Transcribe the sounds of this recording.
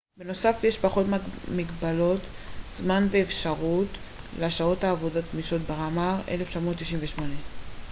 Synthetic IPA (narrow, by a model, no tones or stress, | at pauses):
beno̞safjeʃpaχo̞tmamiɡbalo̞t | zmanveːfʃaʁut | laʃaotaːvo̞dot̪miʃotbeʁamaʁe̞̰left͡ʃamo̞t̪ːiʃimɱveʃmo̞ne